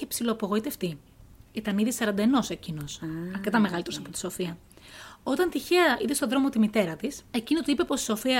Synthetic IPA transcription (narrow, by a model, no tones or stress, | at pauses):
epsiloːpo̞ɣo̞it̪eft̪i | it̪ɐniðisɐɾɐnd̪ɐeno̞se̞cino̞sɐɾket̪ɐme̞ɣɐlit̪eosɐpot̪iso̞fiɐ | o̞t̪ɐnt̪içeɐiðest̪o̞ðɾo̞mo̞t̪imit̪e̞ɾɐt̪ise̞ciniot̪uipe̞po̞si̥so̞fiɐ